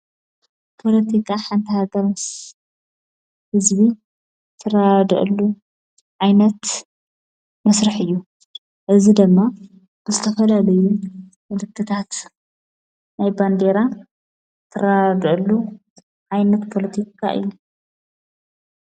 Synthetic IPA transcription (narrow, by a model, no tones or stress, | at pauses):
pʰo̞lɐt̪ʰikʰaħant̪ʰɐhaɡɐɾs | hɨzbi | t̪ʰɨrad̪ɨʔɨ̰lːu | ʕajnɐt̪ | mɐsɾɨħɨjːu | ʔɨzid̪ɨmːa | b̥ɨzɨt̪ʰɐfɐlalɐju | mɨlɨkʰːɨt̪ʰat̪ | najband̪e̞ɾa | t̪ʰɨrad̪ɨʔlːu | ʕajnɐt̪pʰo̞lɐt̪ʰikʰa̰ʔɨ̰jːu